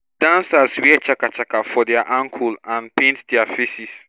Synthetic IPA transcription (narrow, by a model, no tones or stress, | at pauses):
d̥ãnsaswit͡ʃakat͡ʃakafɔdɛaʔãŋkʰulãnpẽntdɛafesis